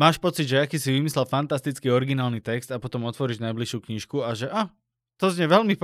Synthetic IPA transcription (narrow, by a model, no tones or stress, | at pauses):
maːʃpɔt͡siɟʒɛakiːsiʋimislɛlfant̪ast̪it͡skiːɔɾiɡinaːlnit̪ɛkst̪apɔt̪ɔmɔt̪ʋɔɾiʒnajbliʃjuːkɲiːʃkuaʒɛʔa | t̪ɔzɲɛʋɛlmip